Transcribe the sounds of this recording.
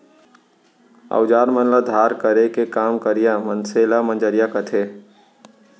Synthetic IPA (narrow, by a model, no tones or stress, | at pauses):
ə̰ʊd͡ʒaːɾmənləd̪ʱaːɾkəɾekekaːmkəɾijamənselamə̃nd͡ʒəɾjakət̪ʰe